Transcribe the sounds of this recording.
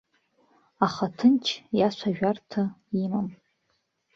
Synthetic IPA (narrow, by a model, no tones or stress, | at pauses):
aχatʰɨnt͡ʃʰjaʃʷʰaʒᶣartʰaimam